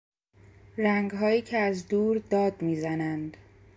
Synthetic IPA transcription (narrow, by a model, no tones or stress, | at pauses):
ræŋɡɦɒːjiːcʰeæzd̪uːɾd̪ɒːd̪miːzænænd̪